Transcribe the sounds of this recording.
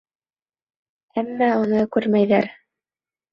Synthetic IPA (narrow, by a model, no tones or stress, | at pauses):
æmːæunɤkʉɾmæjðæ̰ɾ